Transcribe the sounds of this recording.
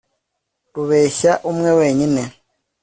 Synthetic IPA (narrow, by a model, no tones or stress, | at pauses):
ɾuβeːɕaʔumweweːɲine